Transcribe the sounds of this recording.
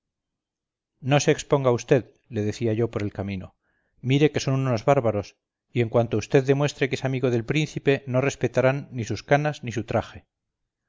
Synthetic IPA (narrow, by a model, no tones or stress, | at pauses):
no̞se̞ːkspo̞ŋɡaust̪e̞ð | le̞ð̞e̞θiaʝo̞po̞ɾe̞lkamĩno̞̰ | miɾe̞ke̞so̞nuno̞zβaɾβaɾo̞s | ie̞ŋkwant̪oust̪e̞ðːe̞mwe̞st̪ɾe̞kesamiɣo̞ðe̞lpɾinθipe̞no̞re̞spe̞t̪aɾanːisuskanaznis̬ut̪ɾaxe̞